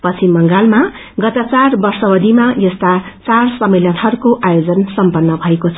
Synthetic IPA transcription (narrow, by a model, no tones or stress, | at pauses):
pʌt͡sʰimʌŋɡalma | ɡʌt̪at͡sarbʌrsʌbʌd̪ʱimajʌst̪at͡sarsʌmːeljanɦʌɾukoʔajod͡zʌnsʌmpʌnːʌbʱʌekot͡sʰʌ